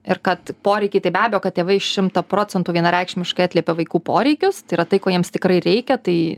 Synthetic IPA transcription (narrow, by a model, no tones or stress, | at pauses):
ɪrkɐt̪poːɾʲɛɪkʲɐɪt̪ɐɪbʲæːbʲejoːkɐt̪tʲeːʋɐɪɪʃʃʲɪmt̪ɐpɾoːt͡sʲɛnt̪uːʋʲiɛnɐɾʲɛɪkʃʲmʲɪʃkɐɑt̪ʲlʲiɛpʲeʋɐɪkuːpoːɾʲɛɪkʲʊst̪ɐɪɾɐt̪ɐɪkoːjiɛmst̪ʲɪkrɐɪɾʲɛɪkʲɛt̪ɐɪ